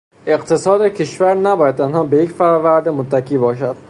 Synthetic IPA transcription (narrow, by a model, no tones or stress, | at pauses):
e̞qt̪ʰe̞sɒːd̪ecʰeʃvæɾnæbɒːjæd̪̚t̪ʰænhɒːbejecfæɾɒːvæɾd̪emot̪ʰːækʰiːbɒːʃæd̪̥